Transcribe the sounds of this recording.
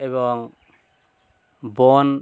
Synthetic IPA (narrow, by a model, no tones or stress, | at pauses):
eβɔŋ | bɔn